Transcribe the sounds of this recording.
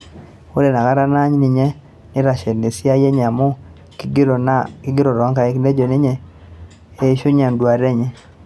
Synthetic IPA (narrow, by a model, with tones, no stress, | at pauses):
o˦le˨na˨ka˦ɾa˦na˦ɲnɪ˨ɲe˦ | nɪ˦ɾa˨ʃe˨ni˨sɪ˦a˦je˦ɲa˨mo˦ | kɪ˦ɡɪ˦ɾo˨ɾɔ˨˦ŋka˨e˦kne˦d͡ʒo˨nɪ˦ɲɛ˦ | e˦ʃo˦ɲa˨ndwa˨ɾe˦ɲɛ˦